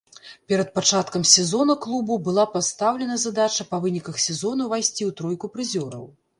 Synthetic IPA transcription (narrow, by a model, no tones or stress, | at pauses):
pʲɛɾɐt̪̚pat͡ʂat̪kɐmsʲɛzɔnɐklˠububɨlˠapast̪awlʲɛnɐzad̪at͡ʂɐpɐvɨnʲikɐxsʲɛzɔnɐvajsʲt͡sʲiwt̪ɾɔjkupɾɨzʲɔɾɐw